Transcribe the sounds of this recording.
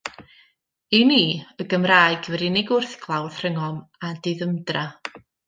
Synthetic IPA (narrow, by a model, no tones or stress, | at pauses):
iniːəɡəmraːjɡ̥vɛɾɪnɪɡʊrθɡʰlˠawð̥r̥əŋɔmadɪðəmdra